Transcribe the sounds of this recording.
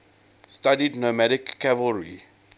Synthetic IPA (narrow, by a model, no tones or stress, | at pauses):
stadidnomæɾɪkːævəlɹḭ